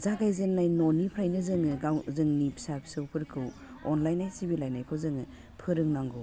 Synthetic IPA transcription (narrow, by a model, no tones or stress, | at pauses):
zaɡajzenːajnɔnipʰɾajnɯzɯŋɯɡawzɯŋnipʰi̥sapʰi̥sɯwpʰɯɾkʰɯw | ɔnlajnajsibilajnajkʰɯzɯŋɯ | pʰɯɾɯŋnaŋɡɯw